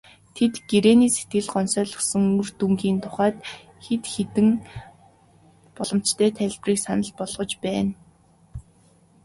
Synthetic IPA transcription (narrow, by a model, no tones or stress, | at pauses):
t̪ʰet̪ɡeɾeːniːset̪ɡɘ̆ɮɢɔnsœːɮɞ̆χsɞ̆ŋurt̪uŋɡiːnt̪ʰʊ̥χaːt̪ | xet̪xet̪ɘ̆ŋ | pɔɮɞ̆m̥t͡ɕt̪ʰæːt̪ʰæɮʲpriːksanə̆ɮpɔɮʁɞ̆t͡ɕpæːn